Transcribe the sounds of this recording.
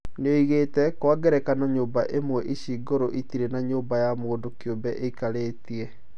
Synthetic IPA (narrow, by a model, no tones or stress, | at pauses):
neoiɣeːtɛkwaɡɛɾɛkanaɲoːmbaʔemwɛʔiɕiːɡoɾoʔitiɾenaɲoːmbajamoːndokjoːbɛʔeikaɾeːtiɛ